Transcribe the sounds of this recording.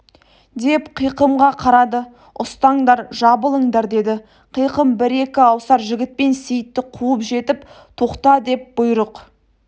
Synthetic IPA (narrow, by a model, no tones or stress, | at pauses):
d̪e̞pqʰijqəmʁɑqʰɑɾɑd̪ə | ʊst̪ɑɴd̪ɑɾʒɑbəlˠəɴd̪ɑɾd̪e̞d̪ɪ | qʰijqəmbɪɾe̞kʲɪɑwsɑɾʒɪɡʲɪt̪̚pe̞nsejɪt̪ːɪqʰuəpʒe̞t̪ɪp | t̪ʰo̞qt̪ɑd̪e̞p̚b̥ʊjɾəq